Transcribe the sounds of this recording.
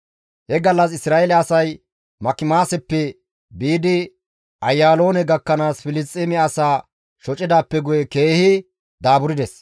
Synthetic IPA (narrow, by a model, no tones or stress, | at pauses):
hɛɡɐlːɐsɪsɾaːelɛɐsɐj | mɐkɪmaːsɛpːɛ | biːd̪ɪ | ʔɐjːaːlo̞ːnɛɡɐkːɐnaːsfɪlɪst̪ʼːɪmɛɐsaː | ʃɔt͡ʃʼɪd̪aːpːɛɡʊjɛke̞ːhɪ | d̪aːbʊɾɪd̪ɛs